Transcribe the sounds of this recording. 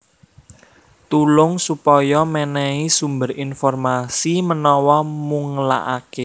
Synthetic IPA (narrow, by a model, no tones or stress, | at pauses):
t̪ulʊŋsupɔjɔmɛnɛisumbərinfɔrmasimənɔwɔmuŋla̰ʔake